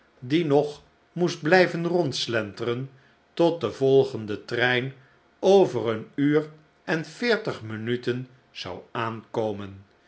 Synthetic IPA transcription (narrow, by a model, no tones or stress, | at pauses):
dinɔχ | musd̚blɛjvənrɔntslɛntərən | tɔt̚dəvɔlˠχəndətrɛjn | owvərənyːr | ɛnfɪːɹtəχmənytən | z̥ɑwaːnkowmən